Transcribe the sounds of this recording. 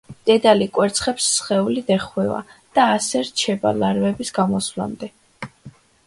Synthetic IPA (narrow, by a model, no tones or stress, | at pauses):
d̪̥ɛd̪alikʼwɛɾt̪sʰχɛpsːχɛulid̪ɛχwɛva̰d̪̥aːsɛɾt͡ʃʰɛba̰laɾvɛbisɡamɔsla̰md̪ɛ